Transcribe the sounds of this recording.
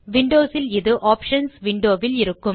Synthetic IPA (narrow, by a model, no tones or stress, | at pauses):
ʋɪɳɖoːsɪlɪðɯʔaːpʂɐnsʋɪɳɖoːʋɪlɪɾɯkːɯm